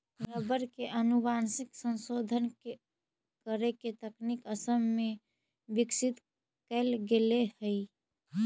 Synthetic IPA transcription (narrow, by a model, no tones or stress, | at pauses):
ɾəbəɾkeʔənubansiksə̃nsod̪ʱənke | kəɾeket̪əknikəsəmːe | bɪksɪt̪ | kɛlɡelehəi